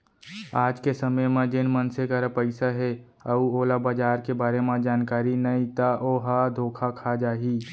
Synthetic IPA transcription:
aːd͡ʒkesəməjmẽd͡ʒɪnmənsekaɾəpəɪsaɦɛ | ɐuoːlabəd͡ʒaːɾkebaːɾemẽd͡ʒaːnkaːɾinɐĩt̪aʔoːɦad̪ʱoːkʰakʰad͡ʒaːɦiː

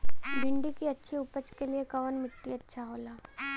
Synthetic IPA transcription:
bɪɳɖikiɐtːʃʰiʊpət͡ʃkeliekɐʋənmɪt̪ːiɐtːʃʰaɦoːlaː

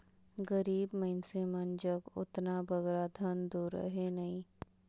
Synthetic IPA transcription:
ɡəɾiːbmɐɦɪnsemɐnd͡ʒəkʊ̰t̪nabəɡɾad̪ʱənd̪uːɾə̰ɦenɐɦĩː

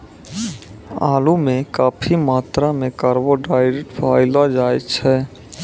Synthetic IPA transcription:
a̰ːlumekaːpʰimaːt̪ɾamekaɾboɖajɾeʈpʰaɪlad͡ʒajt̪t͡ʃʰɛ

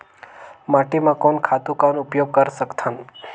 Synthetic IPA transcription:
maʈimãkɔnkʰat̪ũkanʊpjoɡ̚kəɾsəkt̪ʰãn

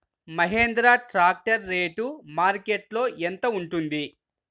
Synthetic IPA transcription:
mɐɦeːnd̪ɾaːʈɾaːk̚ʈɐɾːeːʈumaːɾkeʈlo̞ːʔent̪ɐuɳʈund̪i

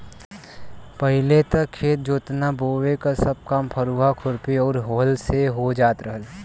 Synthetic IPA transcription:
pəɦɪlet̪əkkʰːeːt̪̚d͡ʒoːt̪naboːwekasəb̚kaːmpʰəɾuːɦakʰʊɾpiɔːɾɦoːlseɦod͡ʒaːt̪ɾəɦəl

